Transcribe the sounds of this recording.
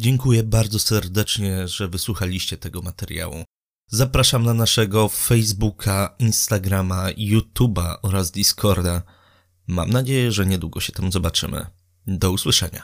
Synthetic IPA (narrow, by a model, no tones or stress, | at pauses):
d͡ʑɛŋkujɛbaɾd̪zɔsɛɾd̪ɛt͡ʂɲɛʐɛvɘswuxalʲiɕt͡ɕɛt̪ɛɡɔmat̪ɛɾja̰wṵ | zapɾaʂamnanaʂɛɡɔfɛjzbukʰainst̪aɡɾamajut̪ubaʔɔɾazd̪ʲiskʰɔɾd̪a | ma̰mnad͡ʑejɛʐɛɲɛd̪wuɡɔɕɛ̥t̪ɛmuzɔbat͡ʂɘ̰mɘ̰ | d̪ɔuswɘʂɛɲa̰